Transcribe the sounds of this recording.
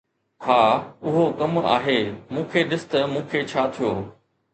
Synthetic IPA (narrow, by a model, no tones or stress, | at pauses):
haːʊɦokɐma̰ːɦeːmũːkʰeɗɪsɪ̥t̪ɐmũːkʰet͡ɕʰaːt̪ʰijoː